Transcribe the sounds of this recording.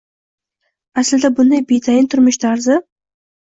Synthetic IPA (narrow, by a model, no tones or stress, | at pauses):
aslɪd̪abʊnd̪ajbet̪ʰajɪnt̪ʰʊɾmɪʃt̪ʰaɾzɪ